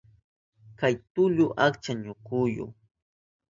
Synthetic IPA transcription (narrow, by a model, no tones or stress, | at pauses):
kajt̪ʊʎʊʔakt͡ʃaɲʊkujʊ̰